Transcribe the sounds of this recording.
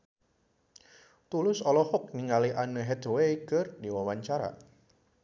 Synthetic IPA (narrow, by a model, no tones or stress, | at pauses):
t̪ulʊsɔlɔhʊk̚niŋaliʔanəɦɛd̪wekərdiwawaɲt͡ʃaɾa̰